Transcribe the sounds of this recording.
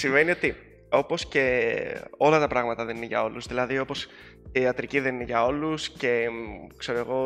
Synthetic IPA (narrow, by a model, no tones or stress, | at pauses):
siɱve̞nio̞t̪i | o̞po̞sce̞ | o̞lɐt̪ɐpɾɐɣmɐt̪ɐðe̞nineʝɐ̰o̞luzðilɐðio̞po̞s | iɐt̪ɾiciðe̞nineʝɐo̞lusce̞kse̞ɾoe̞ɣo̞